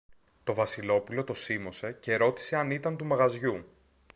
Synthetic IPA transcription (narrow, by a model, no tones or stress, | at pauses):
t̪o̞vɐsilo̞pulo̞t̪o̞simo̞se̞ce̞ɾo̞t̪i̥se̞ɐnit̪ɐnt̪umɐɣɐzʝu